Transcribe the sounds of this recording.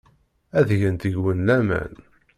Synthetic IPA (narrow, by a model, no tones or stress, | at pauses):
æðʝənt̪əʝwənlæmæ̰n